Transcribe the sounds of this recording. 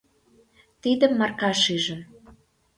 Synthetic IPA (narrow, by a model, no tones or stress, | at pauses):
t̪id̪ə̆mːɑrkɑʃyʒə̆m